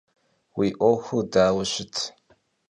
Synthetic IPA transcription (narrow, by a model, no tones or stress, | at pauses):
wiːʔʷɔxʷudaːwʊɕɪtʰ